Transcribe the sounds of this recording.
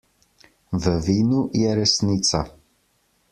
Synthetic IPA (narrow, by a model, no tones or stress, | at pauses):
vəviːnujɛɾɛsniːt̪sa